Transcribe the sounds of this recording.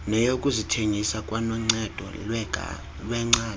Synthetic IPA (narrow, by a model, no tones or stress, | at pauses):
nɛjokʼuzitʰeŋisakʼwanɔŋ͡ǀɛd̥ʱɔ̰lwɛɡ̰ʱ | lwɛŋ͡ǀaː